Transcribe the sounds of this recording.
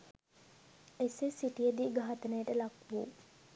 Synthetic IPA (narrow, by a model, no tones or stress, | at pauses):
esesiʈijəd̪iːɡaɦat̪ənəjəʈəlakʋṵ